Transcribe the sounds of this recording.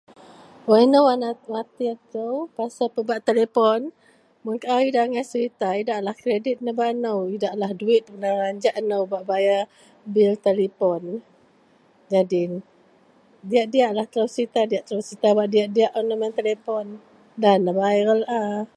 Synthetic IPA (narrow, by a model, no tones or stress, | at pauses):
aɛnəwanawat̪iat̪əwpasapəbaʔt̪elepɔn | mʊnkaʔaidaŋasəɾit̪aidaʔlahkɾedɪt̪̚nəbaʔnəwidaʔlahduɪt̪̚bənaɾaɲd͡ʒaʔnəwbaʔbaja | bilt̪elipɔn | d͡ʒadin | diaʔdiaʔlaht̪ɾəwsəɾit̪adijaʔt̪ɾəwsɾit̪abaʔdiaʔdiaʔonəmɛnt̪elepɔn | danːəbajɾəlʔa